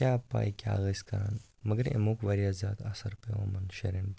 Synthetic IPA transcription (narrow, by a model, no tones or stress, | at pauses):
apa̰jkʲa̰ɣəskɐɾan | məɡəɾḛmokʋaɾjazjaːd̪asəɾpeʋa̰mɐnɕeɾin